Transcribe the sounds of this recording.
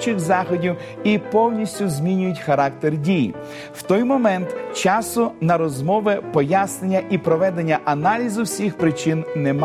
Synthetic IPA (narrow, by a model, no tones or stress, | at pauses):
t͡ʃɪxzɑxɔdʲiw | ipɔwnʲisʲtʲʊzʲmʲinʲʊjʊtʲxɐɾɑk̚t̪erdʲijḭ | wt̪ɔjmɔmɛnt̪t͡ʃɑsʊnɐɾɔzmɔʋɪpɔjasnenʲːɐʔipɾɔʋɛd̪enʲːɐʔɐnɑlʲizʊwsʲixpɾɪt͡ʃinnem